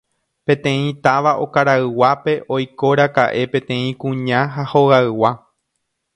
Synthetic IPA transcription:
pẽ̞t̪ẽ̞ĩt̪aʋaʔo̞kaɾaɨwape̞ʔo̞jko̞ɾaka̰ʔe̞pẽ̞t̪ẽ̞ĩkũɲãɦahoɣaɨwa

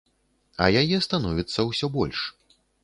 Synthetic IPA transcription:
ɐ̰jajɛst̪anɔvʲit̪sːɐwsʲɔbɔlʲʂ

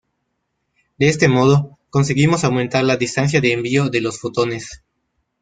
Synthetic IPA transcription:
d̪eest̪e̞mo̞ð̞o | ko̞nseɣimosawmẽnt̪aɾlaðist̪ans̬jaðe̞ːmbioðe̞losfot̪o̞nes

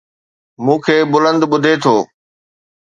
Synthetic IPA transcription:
mũːkʰeːbʊlə̃nd̪ɓʊd̪ʱet̪ʰoː

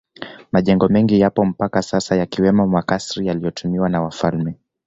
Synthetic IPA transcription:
maʄɛŋɡɔmɛŋɡijapɔm̩pakasasajakiwɛmɔmwakasɾijalijɔtʰumiwanawafalmɛ

